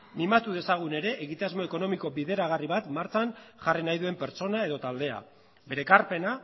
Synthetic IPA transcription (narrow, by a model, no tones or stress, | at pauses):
mimat̪uð̞e̞saɣ̞une̞ɾe̞ʔːɣit̪azmo̞e̞ko̞no̞miko̞biðe̞ɾaɣ̞ariβat̪maɾt͡sanʝarinajðue̞mpe̞ɾt͡so̞nae̞ðo̞t̪ald̪e̞a̰ | be̞ɾe̞kaɾpe̞na